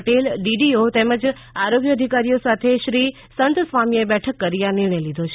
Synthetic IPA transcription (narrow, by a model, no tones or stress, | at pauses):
ʈelɖiɖiot̪eməd͡ʒ | aɾoɡjəd̪ʱikaɾijosat̪ʰeʃɾi | sənt̪sʋamiebɛʈʰəkːəɾijãnɪɾɳejlid̪ʱot͡ʃʰ